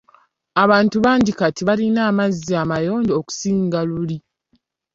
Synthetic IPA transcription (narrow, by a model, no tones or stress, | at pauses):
aβaːntuβaːɲɟikatiβalinaːmazːiamajoːɲɟooku̥siːŋɡaluli